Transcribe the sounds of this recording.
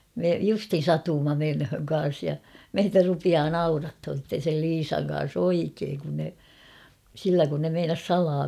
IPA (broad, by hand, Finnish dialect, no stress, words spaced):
me justhin sɑtuːmːɑ menhøŋ kɑn̞s jɑ meitæ rupiɑː nɑurɑthon̞ sitːen̞ sel liːsɑŋ kɑn̞s oikeːŋ kun ne silːæ kun ne meinɑs sɑlɑː